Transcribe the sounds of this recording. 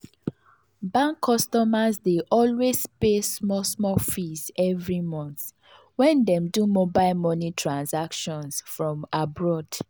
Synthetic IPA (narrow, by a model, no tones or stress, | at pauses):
bãŋkʰːɔstɔmazdeʔɔlwezpesmɔsmɔfizɛvɹimɔ̃nθ | wɛ̃ndɛ̃mdumobaɪlmɔnitʰɹãnsakʃɔ̃nsfɹɔ̃mabɹɔd̥